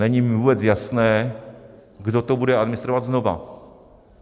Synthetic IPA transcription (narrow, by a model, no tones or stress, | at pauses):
ɛɲivuːbɛt͡sjasnɛː | ɡdot̪obudɛad̪mɪnɪst̪ɾovad̪znova̰